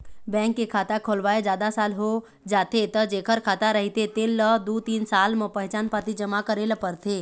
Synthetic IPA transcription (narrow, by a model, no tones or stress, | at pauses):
bɛ̃ːŋkːekʰaːt̪akʰoːlʋaːed͡ʒjaːd̪asaːlɦo | d͡ʒaːt̪et̪əd͡ʒeːkʰəɾkʰaːt̪aɾəɦit̪et̪eːlːəd̪ut̪iːnsaːlmə̃pəɦɛt͡ʃaːnpat̪id͡ʒəmakəɾelpəɾt̪ʰe